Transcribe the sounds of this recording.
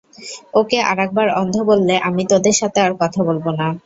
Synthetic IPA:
okeʔa̰ɾɛk̚baɾɔnd̪ʱobolːeʔamit̪od̪eɾʃat̪eaɾkɔt̪ʰabolbona

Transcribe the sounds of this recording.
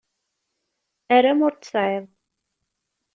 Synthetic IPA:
æɾamʊɾt̪ə̥sʕeðˤ

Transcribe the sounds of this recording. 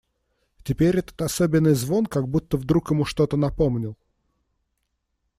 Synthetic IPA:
tʲɪpʲeɾʲɛt̪ə̥t̪ɐsobʲɪnːɨjzvo̞nkaɡ̚but̪ːəvd̪ɾukjɪmuʂt̪o̞t̪ənɐpo̞mnʲɪlˠ

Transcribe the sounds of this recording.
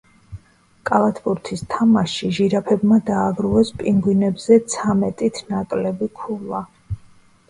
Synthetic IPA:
kʼalˠat̪ʰpʼuɾt̪ʰist̪ʰamaʃiʒiɾapʰɛbmad̪aːbɾuɛspʼiŋɡwinɛbzɛt̪sʰamɛt̪ʼit̪ʰnakʼlɛbikʰulˠa

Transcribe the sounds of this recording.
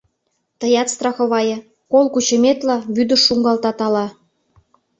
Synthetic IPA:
t̪ə̆jɑt̪st̪rɑxɤ̆βɑjɤ̆ | kolkut͡ɕə̆mʲet̪lɑβyd̪ə̆ʃːuŋɡɑlt̪ɑt̪ɑlɑ

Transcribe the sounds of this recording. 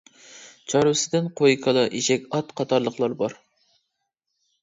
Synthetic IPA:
t͡ʃʰɑɾsɪd̪ɪnqʰojkʰɑlˠɨʔiʃɛkʲɑt̪qʰɑt̪ʰɑɾlˠəχlˠɑɾbɑɾ

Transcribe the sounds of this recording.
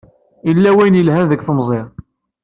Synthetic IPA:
ilːæwæjnjəlhænðəkːθəmzˤɪʁ

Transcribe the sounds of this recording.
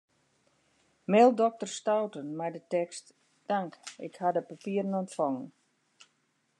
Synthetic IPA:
meːlˠdɔk̚tərstawtənmɛjdətɛkst | d̥aŋkɪ̰khadəpapiərənɔntfɔŋən

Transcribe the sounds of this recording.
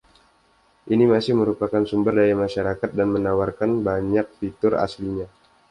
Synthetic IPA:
ʔinimasɪhməɾupakansumbərdajamaʃaɾakat̪̚danmənawarkanbaɲak̚t̪it̪ʊɾa̰sliɲa

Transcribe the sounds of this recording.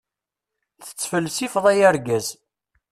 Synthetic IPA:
θə̥t͡sːfəlːsifðˤæjæɾɡæz

